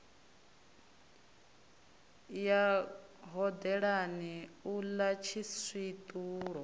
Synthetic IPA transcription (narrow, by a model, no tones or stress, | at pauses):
jaɦɔd̪ɛɺaniulat͡ʃʰisit̪ʼuːɺɔ